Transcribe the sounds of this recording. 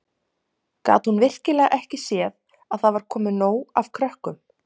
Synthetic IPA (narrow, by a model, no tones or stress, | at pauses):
ka̰ːt̪hunvɪr̥cɪlɛːɣaʔɛhcɪsjɛð | aðθaðvaɾ̥kʰɔːmɪnoːwav̥kʰɾœhkʏm